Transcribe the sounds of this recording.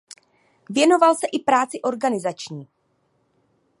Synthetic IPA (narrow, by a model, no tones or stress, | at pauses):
vjɛno̞valsɛʔɪpɾaːt͡sɪʔo̞ɾɡanɪzat͡ʃɲiː